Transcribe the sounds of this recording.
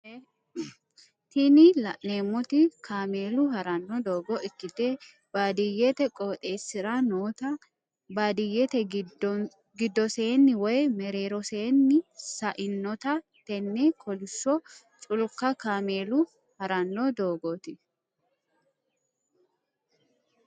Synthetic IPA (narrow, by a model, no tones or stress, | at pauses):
t̪ɪnɪlɐʔneːmːɔt̪ɪkʰaːme̞ːlʊhɐɾɐnːɔd̪oːɡɔɪkːɪt̪eː | b̥aːd̪ɪjːɛt̪ɛkʼoːt̪ʼe̞ːsːɪɾanoːt̪ɐ | baːd̪ɪjːɛt̪ɛ | ɡɪd̪ːɔse̞ːnːɪwɔjmɛɾeːɾɔseːnːɪsɐʔɪnːɔt̪ɐ | t̪ɛnːeːkʰɔlɪsːɔ | t͡ʃʼʊlkɐkaːmeːlʊ | hɐɾɐnːɔd̪o̞ːɡot̪ɪ